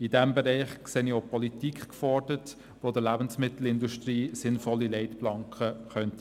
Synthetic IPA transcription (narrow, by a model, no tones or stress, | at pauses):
idɛmbɛɾɛɪχkseːniopɔlitikχkfɔɾd̥ət | ʋoːdəlæbnsmɪt̪l̩ɪnduʃtriːsɪnfɔlːilɛɪtplɑŋkχəχœnt